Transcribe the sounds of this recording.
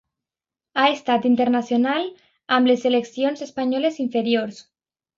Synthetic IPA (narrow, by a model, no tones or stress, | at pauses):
aest̪at̪int̪eɾnasjonal | ambleseleksionzespaɲɔleziɱfeɾioɾs